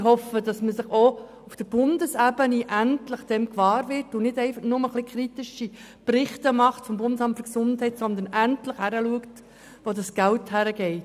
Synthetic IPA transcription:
hɔfədɑsməsɪχo | ufd̥əb̥ʊndəsæbəniʔæntləχd̥ɛmkʋɑːɾvɪɾtʊnɪdɛɪfɑχnʊməχlikχɾitɪʃi | prɪχtəmɑχtfɔmbʊndəsɑmtfʏɾksʊndhɛɪtsɔnd̪ənæntləχhæɾəluəkt | ʋodɑsɡ̥ælthæɾəɡɛɪt

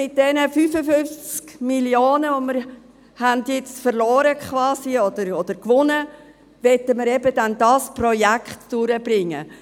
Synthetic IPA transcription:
ɪt̚d̥ɛnəfyfəfʏft͡skmiljoːnəoməɾ | hændjɪt͡stfəɾlɔːɾəkʰχʋɑːsiɔd̪̥əɾɔd̪̥əɾkʋʊnə | ʋɛtəməɾɛbədɛndɑspɾɔjækχtd̥ʊɾəbɾɪŋːə̰

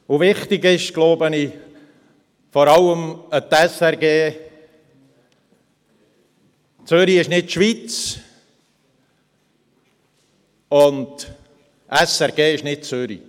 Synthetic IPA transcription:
ovɪχtɪɡɪʃɡ̥loʊbəni | fɔɾɑləmət̪ɛsɛɾɡeː | t͡sʏɾiɪʃnɪtʃvʋit͡s | ʊnd | ʔɛsɛɾɡ̥eːɪʃnɪt̚t͡sʏɾḭ

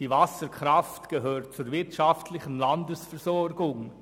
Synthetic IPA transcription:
iːvasəɾkʰʁaftɡ̥əɦøːt̚t͡suːɾvɪtʃaftlɪçən̩landəsfɛɾzɔɾɡʊŋ

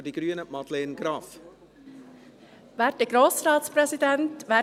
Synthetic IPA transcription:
diɡ̥ɾyːənəmɑtlɛːnɡɾɑːf | ʋæːt̚əɡ̥ɾoːsrɑːtspɾɛsidɛntʋæː

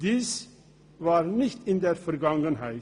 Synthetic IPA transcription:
d̥iːs | vaːʁnɪçtɪndeːfɛɐɡaŋənɦaɪ

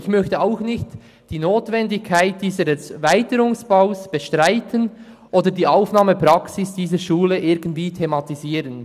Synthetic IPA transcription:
ɪçmœçtəaʊxnɪçt | d̥iːnoːtvɛndɪkʰːaɪt̚d̥iːzədɛsvaɪtəɾʊŋsb̥aʊsb̥əʃtʁaɪtʰən | ʔoːdədiːaʊfnaːməpɾɑksɪsd̥iːzəɾʃuːləʔɪɾɡən̩tv̥iːtʰemɑtiziːɾən

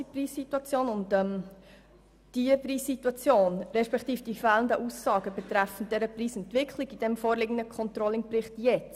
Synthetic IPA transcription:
ipriːssituɑt͡sjoːnʊndɛm | d̥iəpriːssituɑt͡sjoːnɾɛʃpɛkt̪iːfd̥ifɛːləndəʔusːɑːɡəbɛt̪ɾæfən̩td̥̪ɛɾəpriːsɛntʋɪkʰχlɪɡid̥ɛmfoːɾlɪɡən̩dəkʰɔnt̪ɾɔlɪŋprɪχtjɛt͡s

